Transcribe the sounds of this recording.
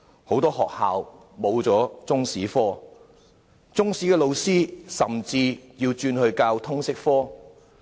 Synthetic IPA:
ho˨˥wt̪ɔː˥ɦɔː˨k̚haː˨w | mo˨˧wt͡sɔː˨˥t͡sʊ˥ŋsiː˨˥fɔː˥ | t͡sʊ˥ŋsiː˨˥kɛː˧lo˨˧wsiː˥sɐ̰˨˩mt͡siː˧jiː˧wt͡ʃyː˧nhɵ˧ɥkaː˧wt̪ʰʊ˥ŋsɪ˥k̚fɔː˥

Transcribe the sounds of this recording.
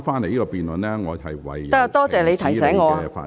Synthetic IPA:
faː˥nle˨˩jiː˦˥kɔ˧piː˨nlə˨nlɛː˦˥ŋɔː˨˧hɐ˨jwɐ̰˨˩jt̪a˥kjɐ˨˧wt̪ɔː˥t͡sɛː˨le˨˧jt̪ʰɐ˨˩jsɛː˨˥ŋːɔː˨˧a˧˨fa̰ː˧

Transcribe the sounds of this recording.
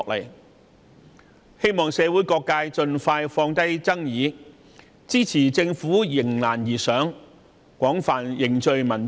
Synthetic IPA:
k̚lɐ̰˨˩j | he˥jmɔː˨ŋsɛː˨˧wuː˨˥jkɔː˧kːaː˧jt͡ʃɵ˧nfaː˧jfɔː˧ŋt̪ɐ˥jt͡sɐ˥ŋjiː˨˧ | t͡siː˥t͡sʰiː˨˩t͡sɪ˧ŋfuː˨˥jɪ˨˩ŋlaː˨˩njiː˨˩sœː˨˥ŋ | kʷɔː˨˥ŋfaː˨njɪ˨ŋt͡ʃɵ˧ɥmɐ˨˩n

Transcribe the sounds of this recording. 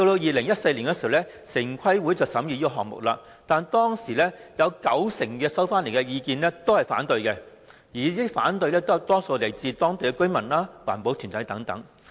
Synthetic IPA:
t̪o˧wt̪o˧wjiː˨lɪ˨˩ŋjɐ˥t̚se˧jliː˨˩nkɛː˧si˨hwlɛ˥ | sɪ˨˩ŋkʰɐ˥jwuː˨˥jt͡sɐ˨wsɐ˨˥mjyː˧jiː˥kɔː˧ɦɔː˨k̚mʊ̰˨k̚laː˧ | t̪aː˨nt̪ɔː˥ŋsiː˨˩lɛː˥jɐ˨˧wkɐ˨˥wsɪ˨˩ŋkɛː˧sɐ˥wfaː˥nle˨˩kɛ˧jiː˧kiː˧nlɛː˥t̪o˥whɐ˨jfa̰ː˨˥nt̪ɵ˧ɥkɛ˧ | jiː˨˩iː˥fa̰ː˨˥nt̪ɵ˧ɥlɛː˥t̪o˥jɐ˨˩wt̪ɔː˥so˧wle˨˩jt͡siː˨˧t̪ɔː˥ŋt̪e˨kɛ˧kɵ˥ɥmɐ˨˩nlaː˥waː˨˩npo˨˥wt̪ʰy˨˩nt̪ɐ˨˥jt̪ɐ˨˥ŋt̪ɐ̰˨˥ŋ

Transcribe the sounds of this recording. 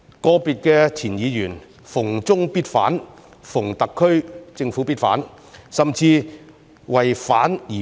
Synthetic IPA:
kɔː˧piː˨t̚kɛː˧t͡sʰiː˨˩njiː˨˧jyː˨˩n | fʊ˨˩ŋt͡sʊ˥ŋpiː˥tfa̰ː˨˥n | fʊ˨˩ŋt̪ɐ˨kʰːɵ˥ɥt͡sɪ˧ŋfuː˨˥piː˥t̚fa̰ː˨˥n | sɐ˨mt͡siː˧ | wɐ˨jfaː˨˥njiː˨˩

